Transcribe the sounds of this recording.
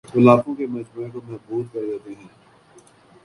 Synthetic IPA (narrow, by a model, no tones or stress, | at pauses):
ʊlaːkõkemɐd͡ʒmaːẽkomɛbuːd̪kɐɾd͡ʒaːt̪eɦɛ̃ː